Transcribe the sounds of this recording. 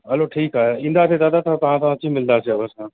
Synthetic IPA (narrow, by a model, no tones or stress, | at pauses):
ɦəloːʈʰiːkaːeĩːnd̪at̪ʰed̪aːd̪at̪ãt̪ɐʋãːt̪ãːət͡ʃĩmɪlnd̪asiaːbəsãː